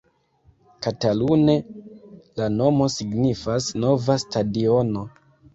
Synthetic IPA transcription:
katalune̞ | lano̞mo̞siɡnifasno̞vastadio̞no̞

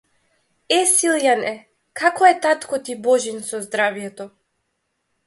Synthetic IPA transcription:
ɛsilˠjanɛ | kʰakɔɛt̪at̪kɔt̪ibɔʒinsɔzd̪ɾavjɛt̪ɔ

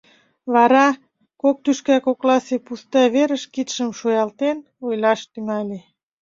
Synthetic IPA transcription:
βɑɾɑ | kok̚t̪yʃkækoklɑsepust̪ɑβeɾəʃkit̪ʃə̆mʃojɑlt̪en | ojlɑʃt̪yŋæle

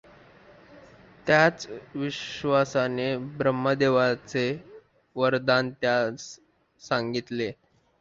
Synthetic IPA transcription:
t̪jat͡sʋiɕʋasanebɾəmːəd̪eʋat͡se | ʋəɾd̪ant̪jat͡s | saŋɡit̪le

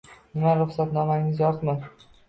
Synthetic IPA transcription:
nɪmaɾʊχsat̪nɒmaŋɪzjɒqmɪ

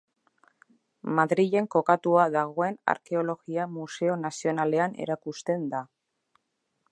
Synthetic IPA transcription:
maðɾiʝe̞ŋko̞kat̪uaðaɣ̞o̞e̞na̰ɾke̞o̞lo̞ɣiamuse̞o̞nasio̞nale̞ane̞̰ɾakust̪e̞nd̪a

